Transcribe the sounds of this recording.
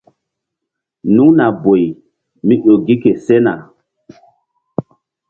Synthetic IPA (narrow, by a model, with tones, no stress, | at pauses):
nũ˦ŋna˨bo˨j | mĩ˦ɗo˨ɡi˦ke˨sɛ˦na̰˨